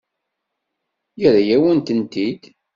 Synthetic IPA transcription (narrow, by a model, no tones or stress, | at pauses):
jəɾæjæwənt̪ənt̪id̪